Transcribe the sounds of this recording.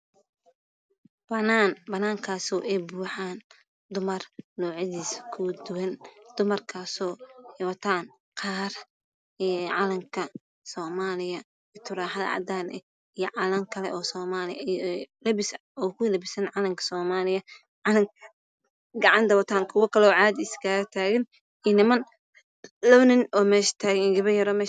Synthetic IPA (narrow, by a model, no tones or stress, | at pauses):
bɐnaːnbɐnaːŋkʰaːsɔːʔɛjbuːħaːn | d̪ʊmɐrnɔːʕɪðiːsɐ̥kʰʊd̪ʊwɐnd̪̥ʊmɐrkʰaːsɔːwɐt̪ʰaːn | qʰɑːr | ɛʕɑlɐmkʰɐ | sɔːmaːlɪjɐ | ɪt̪ʰʊɾaːħɐðɐ̰ʕɑ̰d̪aːnɛ̰ | ijɐʕɑlɐŋkʰɐlɛ̰ʔɔːsɔːmaːlɪjlɐbɪs | ɔːkʊlɐbɪsɐnʕɑlɐmkʰɐ̥sɔːmaːlɪjɐ | ʕɑlɐŋ | ɡɑʕɑnt̪ɐwɐt̪ʰaːŋkʰʊwɐkʰɐlɛɔːʕaːd̪isɡaːɣɐt̪ʰaːɣɪn | inɪmɐn | lɐwnɪnɔːmɛːʃɐ̥t̪ʰaːɣɡɐβɐjɐɾɔːmɛː